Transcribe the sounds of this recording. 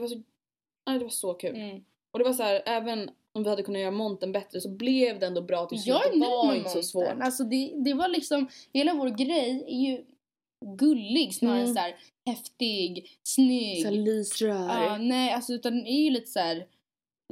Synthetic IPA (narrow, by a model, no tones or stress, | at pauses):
d̪ɛvaʂɔ | nɛːd̪ɛvaʂɔkʰʉ̟ːl | ɔd̪ɛvas̬æːɾʔɛːvən | ɔmvɪhad̪ːkɵnːat̪jœːɾamɔnt̪ənbɛt̪ɾəsɔblɛvd̪ɛɛnd̪ɔːbɾɑːt̪ʰɪjɑːɡɪnaɾɪnsɔsvo̰ːnalsɔd̪ɛd̪ɛvalɪksɔmheːlavoːɾɡɾɛjæɾjɵ | ɡɵlːɪɡsnɑːɾasæːɾ | hɛft̪ɪɡːsnʏɡliːsɾœɑnɛːalsɔʉ̟ːt̪and̪æɾjɵliːt̪ə̥sæːɾ